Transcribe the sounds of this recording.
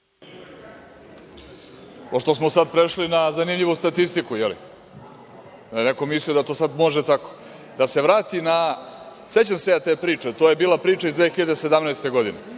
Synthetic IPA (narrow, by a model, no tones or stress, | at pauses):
poʂt̪osmo̞sad̪̚pɾeʃlinazanimʎiʋust̪at̪ist̪ikujelḭ | d̪aeneko̞misliod̪at̪o̞ːsad̪mo̞ʒet̪ako̥ | d̪ase̞ʋɾaːt̪inase̞t͡ɕamseat̪eːpɾiːt͡ʂe̞t̪oːjebiːlapɾiːt͡ʃaizd̪ʋeːxiʎad̪ese̞d̪amnaest̪e̞ɡo̞d̪ine̞̰